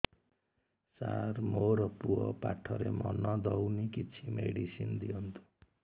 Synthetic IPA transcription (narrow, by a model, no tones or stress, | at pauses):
sarmoɾʌpuʌpaʈʰːʌɾemʌnʌd̪ʌwnikit͡sʰimeɽisind̪iont̪ʰu̥